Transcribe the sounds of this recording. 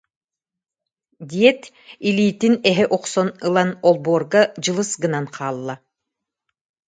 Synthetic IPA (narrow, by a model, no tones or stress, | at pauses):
d̪ʲiɛt̪ | iliːt̪inɛɦɛʔɔqsɔnɯlˠanɔlˠboːɾɡad͡ʑɯlˠɯsɡɯnanqʰaːlˠːa